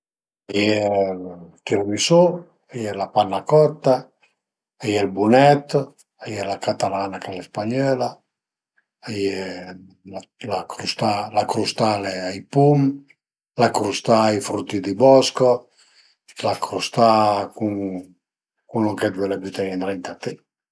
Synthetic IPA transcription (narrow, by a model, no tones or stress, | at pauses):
ajɛ | t̪iɾmiso | ajɛlapanːakɔt̪ːaː | jɛlbunɛt̪ː | ajɛlakat̪alanakalɛspaɲɔːla | ajɛ | alakɾust̪alakɾust̪aleajpum | lakɾust̪ajfɾut̪ːid̪ibɔsko | lakɾust̪akuŋ | kunɔŋkɛd̪wɛlabyt̪ɛjɛnt̪ɾɛnt̪at̪ɛ